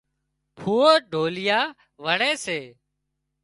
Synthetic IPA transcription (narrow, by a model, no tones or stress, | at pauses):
pʰuːoːɖʱoːlɪjaː | ʋəɳeːseː